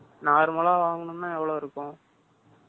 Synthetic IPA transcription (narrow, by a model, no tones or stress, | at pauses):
naːɾɯmɐlaːʋaːŋɡɐɳɯmnãːɛʋːɐɭoːɪɾɯkːʊ̃